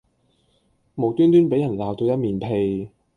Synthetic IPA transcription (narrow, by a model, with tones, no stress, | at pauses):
mo˨˩wt̪yː˥nt̪yː˥npe˨˥jɐ˨˩nlaː˨˧wt̪o˧wjɐ˥t̚miː˨˩npʰe˧j